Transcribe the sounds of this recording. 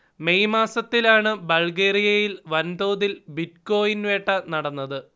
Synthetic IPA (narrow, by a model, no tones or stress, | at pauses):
mejmaːsɐt̪ːilaːɳɨbɐɭɡeːɾijɐjilʋɐnd̪oːðilbit̚ko̞ːjinʋe̞ːʈːɐnɐɽɐnːɐðɨ